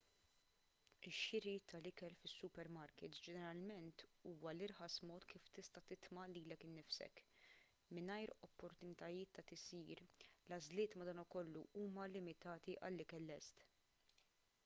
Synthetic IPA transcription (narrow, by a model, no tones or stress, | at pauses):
ɪʃːɪɾit̪ʰɐlɪkɛlfɪsːʊpɛɾmɐɾkɪt̪d͡ʒɛnɛɾɐlmɛnt̪uːwɐlɪɾħɐsmɔːt̪kiːft̪ɪst̪ɐt̪ɪt̪mɐliːlɛkɪnːɪfsɛ̰k | mɪnɐjɾɔpːɔɾt̪ʊnɪt̪ɐjɪːt̪ːɐt̪ɪsiːɾlɐzlɪːt̪mɐd̪ɐːnɐkɔlːuuːmɐlɪmɪt̪ɐːt̪iʔɐ̰lːɪkɛlːɛst̪